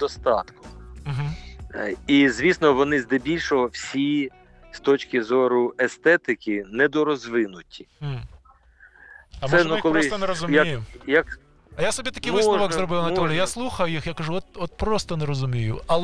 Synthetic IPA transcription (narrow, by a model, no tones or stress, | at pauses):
d̪ɔst̪ɑ̰t̪kʊ̥m̩ɦ̩ | izʲʋʲisnɔʋɔnɪzd̪ɛbʲilʲʃɔɦɔwsʲi | st̪ɔt͡ʃkʲɪzɔɾʊɛst̪ɛt̪ɪkʲɪnɛd̪ɔɾɔzʋɪnʊtʲi̥ | ɐmɛnukɔlˠɪst̪ɔneɾɔzʊmjʲaijʊjak | ɐjasɔbʲit̪ɐkʲɪjʋmɪsʋɔɡzɾɔbɪwnɐɔlʲijjaslˠuxɐjʊjixjakɐʐuɔt̪̚ɔt̪̚pɾɔst̪ɔnɛɾɔzʊmʲijʊɐlˠ